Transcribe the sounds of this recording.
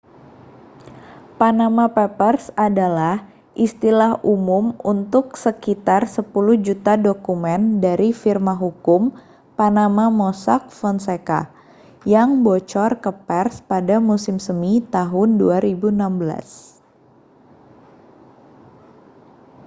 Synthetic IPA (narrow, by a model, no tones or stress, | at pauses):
panamapɛpərsadalah | ʔist̪ilahumʊmunt̪ʊksəkit̪arsəpuluhd͡ʒut̪adokumɛndaɾifirmaɦukʊm | panamamɔsak̚fɔnseka̰ | jaŋbot͡ʃɔrkəpɛrspadamusɪmsəmit̪aɦʊnduaɾibunambəla̰s